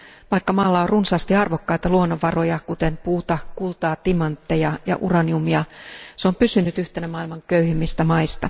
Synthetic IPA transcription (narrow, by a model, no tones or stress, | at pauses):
ʋɑikːɑmɑːlːɑorrunsɑst̪iɑrʋokːɑit̪ɑluonːoʋːɑro̞jɑkut̪e̞mpuːt̪ɑkulˠt̪ɑːt̪imɑnt̪ːejɑjɑ̰ʔurɑniumiɑseompysynyt̪yht̪enæmɑilmɑŋkøyhimːist̪æmɑist̪ɑ